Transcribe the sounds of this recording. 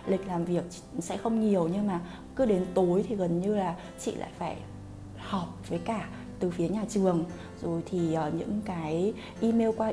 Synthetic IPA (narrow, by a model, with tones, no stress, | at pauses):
lï˨˩k̟̚laː˨˩mvi˨˩ək̚t͡ɕ | sɛ̰˧˥xə˧wŋ͡mɲi˨˩əwɲɨ˧ŋmaː˨˩ | kɨ˨˦ɗe˨˦nt̪o˨˦jt̪ʰi˨˩ɣə˨˩nɲɨ˧laː˨˩ | t͡ɕḭ˧˨la̰ː˧˨jfaː˧˩j | hɔ˨˩p̚vəː˨˦jkaː˧˩ | t̪ɨ˨˩fi˨˦əɲaː˨˩t͡ɕɨ˨˩əŋ | zo˨˩jt̪ʰi˨˩ʔːɲɨ̰˧˥ŋkaː˨˦j | ʔi˧me˧wkwaː˧